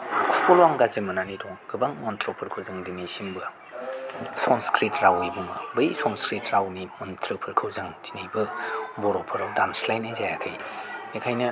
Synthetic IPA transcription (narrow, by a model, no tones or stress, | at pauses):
kʰukʰolwaŋɡazemɐnanidɔŋɡɯbaŋmɔntʰɾɔpʰɯɾkʰɯwzɯŋdinisimbɯ | sɔnskɾitɾawɯjbumɐ̰bɯjsɔnskɾitɾawnimɔntʰɾɯpʰɯɾkʰɯwzɯŋtinajbɯbɔɾɔpʰɯɾdamslajnajzajakʰɯjekʰajnɐ